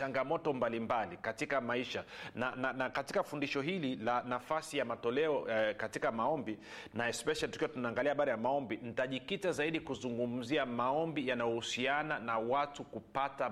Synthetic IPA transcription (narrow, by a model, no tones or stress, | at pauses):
aŋɡamɔtɔmbalimbalikatikamaiʃanananakatikafundiʃɔɦililanafasijamatɔlɛɔkatikamaɔmbinaɛspɛʃalitu̥kiwatunaːŋɡaliahaɓaɾajamaɔmbinitaʄikitazaiɗikuzuŋɡum̩ziamaɔmbijanajɔhusiananawatukupata